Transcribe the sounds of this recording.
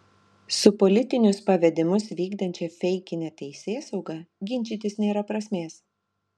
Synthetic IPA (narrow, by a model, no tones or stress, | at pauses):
sʊpɔlʲɪt̪ʲɪnʲʊspɐʋʲɛd̪ʲɪmʊsʋʲiːɡd̪ɐnʲt͡ʃʲɛfʲɛɪkʲɪnʲɛt̪ʲɛɪsʲeːsɐʊɡɐɡʲɪnʲt͡ʃʲiːt̪ʲɪsnʲeːɾɐpɾɐsʲmʲeːs